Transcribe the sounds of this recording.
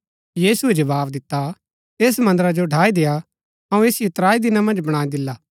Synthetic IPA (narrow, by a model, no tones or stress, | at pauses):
jiːsued͡ʒɐbaːbd̪ɪt̪ːa | eːs̬mɐ̃nd̪əɾad͡ʒoɖʱaːid̪eːja | ɐũeːsijot̪ɾaːid̪ɪnamɐ̃nd͡ʒbɐɽ̃aːid̪ɪlːaː